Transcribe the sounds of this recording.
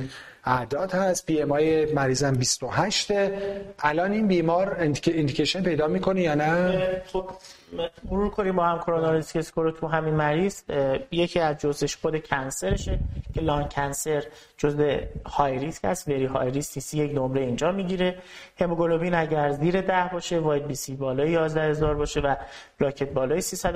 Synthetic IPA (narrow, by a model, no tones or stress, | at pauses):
æʔd̪ɒːd̪hæst̪̚biːemɒːjemæɾiːzæmbist̪ohæʃt̪eʔælɒːniːnbiːmɒːɾeend̪icʰeʃenpe̞jd̪ɒːmiːkʰonejɒːnætʰo | moɾuːɾkʰoɾiːmbɒːhæmkʰoɾonɑɾeskeskʰoɾot̪ʰuɦæminmæɾiːz̥je̞cʰiːæzd͡ʒozeʃxod̪e̞cʰænse̞ɾeʃecʰe̞lɒːncʰænse̞ɾ | d͡ʒozehɒːjɾischæ̰st̪veɾiɦɒ̰ːjɾisisijecnomɾe̞ind͡ʒɒːmiɟiɾe̞he̞moɡolobiːnæɟæɾziːɾe̞d̪æhbɒːʃe̞vɒːjed̪̚biːsibɒːlɒːjejɒːzd̪æhhe̞zɒːɾbɒːʃe̞væb̥ɾɒːcʰe̞t̪̚bɒːlɒːjesisæd̪